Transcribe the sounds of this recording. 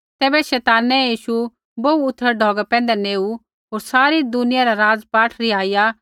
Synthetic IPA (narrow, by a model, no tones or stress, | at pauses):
t̪ɛːbɛʃɛːt̪aːnɛjiːʃu | bouʊt̪ʰːəɾɖʱɔːɡapɛ̃ːnd̪ɛneːu | ɦoːɾsaːɾid̪ʊnɪjaɾaɾaːd͡zpaːʈʰɾiaːija